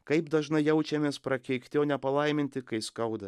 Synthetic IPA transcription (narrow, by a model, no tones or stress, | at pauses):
kɐɪpd̪ɐʒnɐɪjɛʊt͡ʃʲɛmʲeːspɾɐkʲɛɪkt̪ʲɪoːnʲɛpɐlˠɐɪmʲɪnʲt̪ʲɪkɐɪskɐʊd̪ɐ